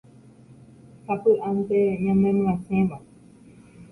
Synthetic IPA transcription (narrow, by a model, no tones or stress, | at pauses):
hapɨʔant̪eɲãmẽmɨ̃ãsẽba